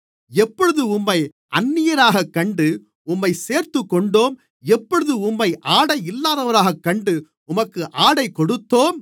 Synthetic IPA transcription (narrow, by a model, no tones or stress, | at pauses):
ɛpːɔɻɯðɯʊmːɐɪ | ʔɐnːɪjɐɾaːɣɐkːɐɳɖɯ | ʊmːɐɪseːɾt̪ɯkːɔɳɖoːm | ɛpːɔɻɯðɯʊmːɐɪʔaːɽɐɪɪlːaːðɐʋɐɾaːɣɐkːɐɳɖɯ | ʊmɐkːɯʔaːɽɐɪkːɔɽɯt̪ːoːm